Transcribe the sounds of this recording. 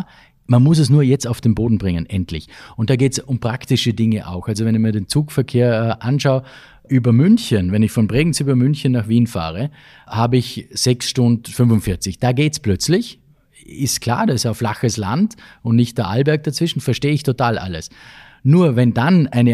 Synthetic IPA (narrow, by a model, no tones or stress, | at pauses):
manmʊs̬ɛs̬nuːɐjɛt͡staʊfd̥eːnboːdn̩bʁɪŋənʔɛntʰlɪ̰çʊnt̚d̥aːɡeːtsʊmpʁ̥aktɪʃədɪŋəʔa̰ʊxalzovɛnɪçmiːɐdeːnt͡suːkfɛɐkʰeːɐʔanʃaʊ | ʔyːbɐmʏnçənvɛnɪçfɔnbʁeːɡŋ̩syːbɐmʏnçənːaxv̥iːnfa̰ːʁ̞ə | haːbəɪçz̥ɛksʃtʊndfʏnvʊntfɪɐt͡sɪçd̥aːɡeːtsplœt͡slɪç | ɪstkʰl̥a̰ːɐdaɪsaʊflaxəsla̰ntʊntnɪçt̚d̥ɐʔalbɛɐk̚d̥at͡sv̥ɪʃn̩fɛɐʃteːəɪçtʰotʰaːlʔa̰ləs | nuːɐvɛndanaɪnə